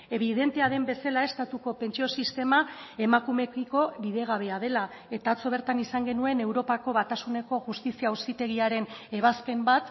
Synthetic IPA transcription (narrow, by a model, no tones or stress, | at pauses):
e̞β̞iðe̞nt̪e̞aðe̞mbe̞salae̞st̪at̪uko̞pe̞nt͡ʃio̞sist̪e̞mae̞makume̞kiko̞βiðe̞ɣ̞aβ̞e̞að̞e̞la | e̞t̪aːt͡so̞β̞e̞ɾt̪anisaŋɡe̞nue̞ne̞wɾo̞pako̞βat̪asune̞ko̞ʝust̪isiausit̪e̞ɣ̞iaɾe̞ne̞β̞aspe̞mbat̪